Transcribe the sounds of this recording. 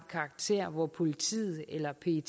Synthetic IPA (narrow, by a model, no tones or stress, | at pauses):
kʰɑ̈ːɡ̥̚t͡sʰe̝̰ɐ̰ʋɒpʰo̝lit͡sʰḭːð̩ˠelɐpʰe̝